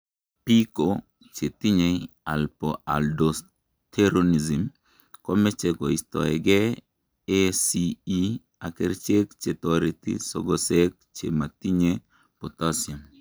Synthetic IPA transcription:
piko | t͡ʃet̪iɲealpɔa̰ldos | t̪ʰeɾonizim | kɔmɛt͡ʃekɔist̪ɔ̰ɛɡe | esii | akeɾt͡ʃekt͡ʃet̪ɔɾitḭsɔ̰ɡɔsek̚t͡ʃḛmat̪iɲe | pot̪asjam

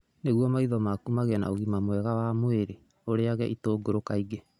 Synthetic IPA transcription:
neɣwɔmaiðɔmaːkumaɣɛna̰oɣimamwɛɣawamoeɾe | oɾeaɣɛʔitoːɡoɾokaiɡe

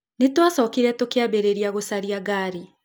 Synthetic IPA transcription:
netwasɔːkiɾɛtokeabeɾeɾiaɣosaɾiaɡaːɾi

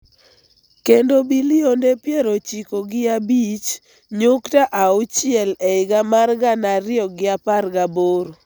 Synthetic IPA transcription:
kendobilɪondepjɛɾot͡ʃikoɡɪabit͡ʃ | ɲʊktaʔaʊt͡ʃɪɛlɛɪɡamarɡanaɾɪɔɡɪaparɡaboɾ

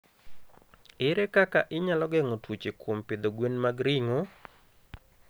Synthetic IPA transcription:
ɪɾɛkakaʔɪɲalɔɡɛŋotwut͡ʃekompɪd̪oɡwenmaɡɾɪŋo

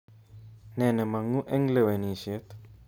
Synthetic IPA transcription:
nɛnɛmaŋuʔɛŋleweniset̪

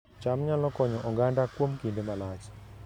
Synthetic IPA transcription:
t͡ʃamɲalɔkɔɲɔʔɔɡandakwomkindemalat͡ʃ

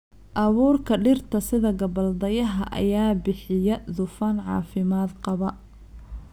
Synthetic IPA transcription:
ʔɐβuːrkʰɐɖɪrt̪ʰɐsɪðɐɡɐbɐld̪ɐjɐɦɐʔɐ̰jaːbɪħɪjɐd̪ʊfɐnʕɑ̰ːfɪmaːd̪qɑβɐ

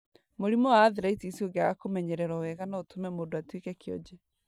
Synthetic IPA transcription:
moɾimɔwaːðiɾaitisioŋɡeaɣakomɛɲɛɾɛɾɔwɛɣanaotumɛmoːdoatwikɛkeɔ̰d͡ʑɛ

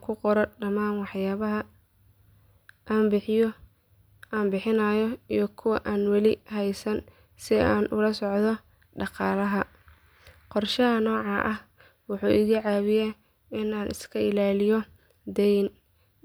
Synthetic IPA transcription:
kʰʊqɔɾɔɖɐmaːnwɑħjaːβɐɦɐ | ʔaːmbɪħɪjɔ | ʔaːmbɪħɪnɐjɔijɔkʰʊwɑʔaːnwɑlɪɦɛjsɐn | sɪaːnʔʊ̰lɐsɔʕðɔ | ɖɑqɑːlɐɦɐ | qɔrʃɐɦɐnɔːʕɑʔɐh | wʊħuːʔɪɣiːʕaːβɪjɛ | ɪnaːnʔɪ̰skʰɐɪlaːlɪjɔ | d̪ɛjn

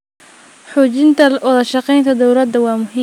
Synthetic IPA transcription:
ħuːt͡ʃɪnt̪ʰɐʔʊðɐʃɑqɛjnt̪ʰɐd̪ɔwlɐd̪ːɐwɑːmʊɦiː

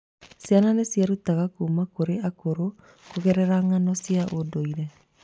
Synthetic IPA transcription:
sjananesjaɾutaɣakuːmakoɾeakoɾo | koɣɛɾɛɾaŋanɔsjaʔodoiɾɛ

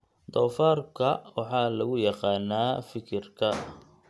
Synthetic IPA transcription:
d̪ɔːfaːrkʰɐwɑħɑːlɐɣʊjɑqɑːnaːfɪkʰɪrkʰɐ

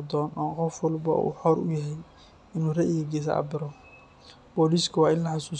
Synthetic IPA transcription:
d̪ɔːnʔɔːqɔfwɔlbɐ̰ṵːħɔɾʊ̰jɛɦɛj | ɪnuːrɛʔiɡɛɡɛːs̬ɐ̰bɪɾɔ | b̥ɔːliːskʰɐwɑːɪnlɐħɑsuː

